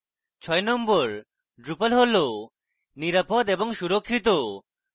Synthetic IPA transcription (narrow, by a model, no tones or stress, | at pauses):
t͡ʃʰɔjnɔmbɔɾ | ɖɾupalɦolo | niɾapɔd̪ebɔŋsuɾokʰːit̪o